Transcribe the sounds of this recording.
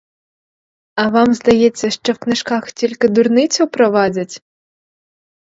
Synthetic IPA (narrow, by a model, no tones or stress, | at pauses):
ɐʋɑmzd̪ɐjɛt͡sʲːɐʃt͡ʃɔwknɪʃkaxtʲilʲkɪd̪ʊrnɪt͡sʲʊwpɾɔʋɑdʲɐtʲ